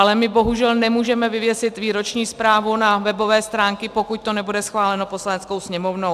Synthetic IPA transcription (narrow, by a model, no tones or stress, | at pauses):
alɛmɪbo̞ɦuʒɛlnɛmuːʒɛmɛvɪvjɛsɪt̪viːɾo̞t͡ʃɲiːspɾaːvunavɛbo̞vɛːst̪ɾaːŋkɪpo̞kuc̚t̪o̞nɛbudɛsxvaːlɛno̞poslanɛt͡sko̞wsɲɛmovnow